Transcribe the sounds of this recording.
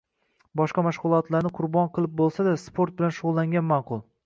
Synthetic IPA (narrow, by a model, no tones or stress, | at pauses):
bɒʃqɑmaʃʁʊlˠɒt̪laɾnɪqʰʊɾbɒnqʰɨlˠɪp̚bolˠsad̪aspʰoɾt̪̚bɪlanʃʊʁʊlˠːaŋɡʲanmaqʰʊlˠ